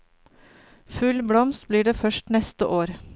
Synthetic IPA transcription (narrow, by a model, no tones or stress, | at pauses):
fʉlbɽɔmst̪̚bliːɖeːfœʃʈnɛst̪əʔoːɾ